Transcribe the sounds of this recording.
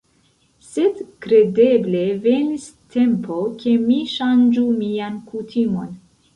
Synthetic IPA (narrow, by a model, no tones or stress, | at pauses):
se̞dkɾe̞de̞ble̞ve̞nis | tʰe̞mpʰo̞ke̞miʃand͡ʒumiankutʰimo̞n